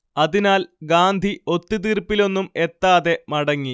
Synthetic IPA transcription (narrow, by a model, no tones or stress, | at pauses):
ɐðinaːlɡaːnd̪ʱio̞t̪ːit̪irpːilo̞nːume̞t̪ːaːðe̞mɐɽɐŋːi